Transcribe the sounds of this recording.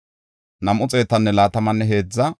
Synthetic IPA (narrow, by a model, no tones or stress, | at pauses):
nɐmʔʊt͡sʼe̞ːt̪ːɐnːɛlaːt̪ɐmɐnːɛɦe̞ːd͡zːɐ